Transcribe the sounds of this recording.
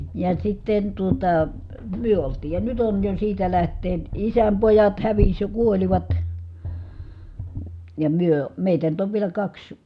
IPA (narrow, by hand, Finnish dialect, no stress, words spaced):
jɑ sitːen tuotɑ myø oltiː jɑ nyt on jo siːtæ læhtˑeːn isæm pojɑt hæʋisʲ jɑ kuoliʋɑt jɑ myø meˑitæ nyt oʋ ʋielæ kɑks